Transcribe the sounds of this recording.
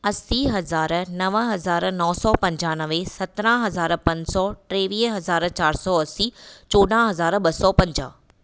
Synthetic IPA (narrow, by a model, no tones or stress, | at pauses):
ɐsiɦɐzaːɾnɐʋəɦɐzaːɾnɔːsɔːpɐ̃ɲd͡ʑaːnɐʋesɐt̪ɾãɦɐzaːɾpɐ̃ɲd͡ʑsɔʈɾeːʋiːɦɐzaːɾt͡ɕaːɾsɔːɐsit͡ɕoːɗãɦɐzaːɾɓɐsɔːpɐ̃ɲd͡ʑa̰ː